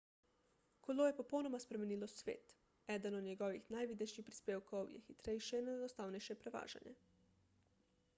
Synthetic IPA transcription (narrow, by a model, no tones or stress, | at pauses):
kʰoloːjepopownomaspɾemenilosʋeːt̪ | ɛd̪anod̪ɲeɡoʋixnajʋid̪neʃixpɾi̥speːwkowjɛ̰xit̪ɾejʃɛnɛd̪ost̪awneʃɛpɾɛʋa̰ːʒa̰ɲḛ